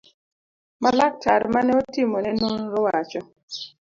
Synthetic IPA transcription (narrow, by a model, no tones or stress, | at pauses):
malak̚tʰaɾmanɛotɪmonɛnunɾɔwat͡ʃɔ